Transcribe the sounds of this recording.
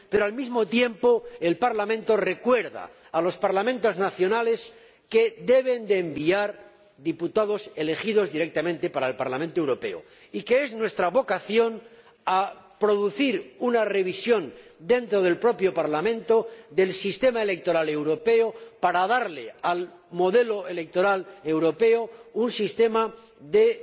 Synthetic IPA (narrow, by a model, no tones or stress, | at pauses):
peɾoalmizmo̞t̪je̞mpo̞elpaɾlamẽnt̪o̞re̞kwe̞ɾða̰ː | lo̞spaɾlamẽnt̪o̞znaθjo̞nale̞s | ke̞ðe̞β̞e̞nd̪eːmbiaɾ | ðiput̪að̞o̞se̞le̞xið̞o̞zðiɾe̞k̚t̪amẽnt̪e̞paɾaelpa̰ɾlamẽnt̪oewɾo̞pe̞̰o̰ | ike̞eznwe̞st̪ɾaβo̞kaθjo̞n | a | pɾo̞ð̞uθiɾunare̞β̞isjo̞nd̪e̞nt̪ɾo̞ð̞e̞lpɾo̞pjopaɾlamẽ̞nt̪o̞d̪e̞lsist̪e̞maele̞k̚t̪o̞ɾale̞wɾo̞pe̞opaɾaðaɾleal | mo̞ðe̞lo̞e̞le̞k̚t̪o̞ɾale̞wɾo̞pe̞ounsist̪e̞ma | ðe̞